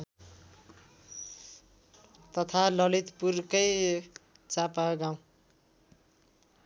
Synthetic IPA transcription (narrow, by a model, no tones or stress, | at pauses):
t̪ʌt̪ʰalʌlit̪purkʌj | t͡sapaɡaw̃